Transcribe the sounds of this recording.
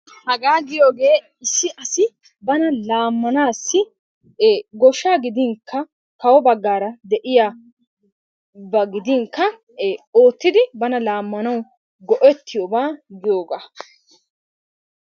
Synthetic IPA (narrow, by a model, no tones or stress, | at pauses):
hɐɡaːɡɪjo̞ːɡe̞ː | ɪsːɪʔɐsɪ | bɐnɐlaːmːɐnaːsːɪ | eːɡɔʃːaːɡɪd̪ɪŋkʰːɐ | kɐwɔbɐɡːaːɾɐd̪ɛʔɪjaː | bɐɡɪd̪ɪŋkːɐ | eːoːt̪ːɪd̪ɪbɐnɐlaːmːɐnɐwʊ | ɡɔʔɛt̪ʰːɪjoːbaːɡɪjoːɡaː